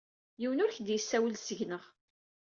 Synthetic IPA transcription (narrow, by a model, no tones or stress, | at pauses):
jiwənʊɾçd̪jəsːæwəlsəʝnəʁ